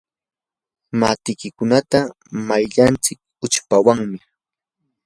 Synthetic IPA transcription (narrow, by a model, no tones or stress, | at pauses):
mat̪ɪkɪkʊnat̪a | majʎant͡sɪk̚ʊt͡ʃpawaŋmɪ